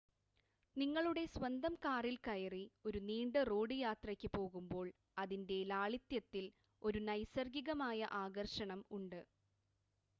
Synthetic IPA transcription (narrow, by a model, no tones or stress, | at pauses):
niŋːɐɭuɽe̞swɐnd̪ɐmkaːrilkɐjɐrio̞ɾuniːɳɖɨroːɖɨjaːt̪rɐkʲːɨpo̞ːɣumbo̞ːɭ | ɐðinde̞laːɭit̪jɐt̪ːil | o̞ɾunɐjsɐrɡiɣɐmaːjɐʔaːɡɐrʂɐɳɐmuɳɖɨ